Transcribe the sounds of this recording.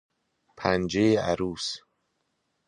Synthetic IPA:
pʰænd͡ʒejeæ̰ɾuːs

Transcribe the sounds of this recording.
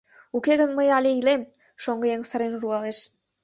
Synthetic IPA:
ukeɣə̆nməjɑlʲeilem | ʃoŋɡɤ̆jeŋsə̆ɾenruɑleʃ

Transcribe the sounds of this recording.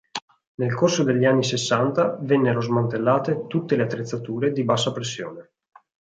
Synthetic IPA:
nelkorsod̪eʎːianːisesːant̪avenːeɾozmant̪elːaːt̪et̪ut̪ːeleat̪ːɾet̪sːat̪uːɾed̪ibasːapɾesːjo̰ːne

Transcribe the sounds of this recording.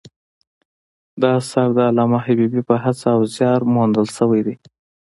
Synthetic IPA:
d̪ɑsaɾd̪əːlɑmaɦabibipəɦat͡saːwzjɑɾmond̪əlʃəwajd̪e

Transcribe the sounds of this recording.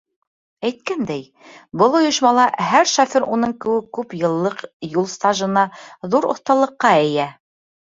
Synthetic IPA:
æjt̪̚kænd̪æj | bɤlˠŏjɤ̆ʃmɑlˠɑɦæɾʃɑfiɾunɤɴkɘ̆wɘkːʉpjɤ̆lˠːɤqjulˠst̪aʒɤ̆nɑðuɾŏ̰θt̪ɑlˠɤ̆qːɑɘ̆jæ

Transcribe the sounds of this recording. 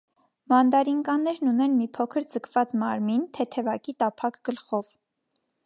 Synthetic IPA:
mɑnd̪ɑɾiŋkɑnɛɾnunɛnmipʰɔkʰəɾd͡zəkʰvɑt͡smɑɾmint̪ʰɛt̪ʰɛvɑkit̪ɑpʰɑkɡ̥əlχɔv

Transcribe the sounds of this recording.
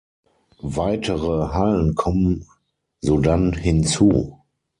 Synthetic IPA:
vaɪtʰəʁəɦalənkʰɔmən | zoːdanɦɪnt͡sṵː

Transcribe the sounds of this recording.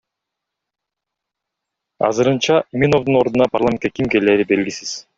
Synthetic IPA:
ɑ̰zɯɾɯnt͡ʃɑmʲinovd̪uno̞ɾd̪unɑparlˠamʲe̞nkekimke̞leːɾibe̞lɡʲisiz̥

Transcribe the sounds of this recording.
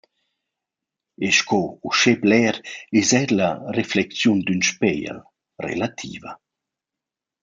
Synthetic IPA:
eʃkʰɔuʃɛblɛɾɛzɛɾlareflɛkt͡sjund̪ynʃpɛjə̰l | rḛlat̪ʰḭːvə

